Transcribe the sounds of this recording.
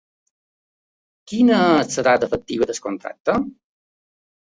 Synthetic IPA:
kinəəsəɾat̪əfək̚t̪iβəd̪əskont̪ɾa̰k̚t̪ːə

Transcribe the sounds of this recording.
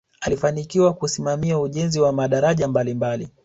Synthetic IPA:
alifanikiwakusimamiauʄɛnziwamaɗaɾaʄambalimbali

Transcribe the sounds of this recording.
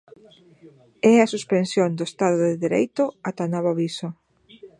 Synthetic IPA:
ɛɐsuspensjond̪ʊest̪aðʊðɪðeɾḛjt̪ʊat̪anɔβaβiso

